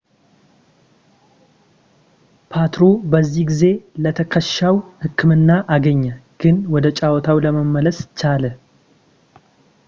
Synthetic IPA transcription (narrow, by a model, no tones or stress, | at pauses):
pʰat̪ɾobəzːihɡize̞lət̪ʰəkʰəʃawhɨkʰːɨmɨnːaʔaɡəɲːaɡ̥ɨnwɔd̪ət͡ʃʼawɔt̪ʰawləməmːələst͡ʃalə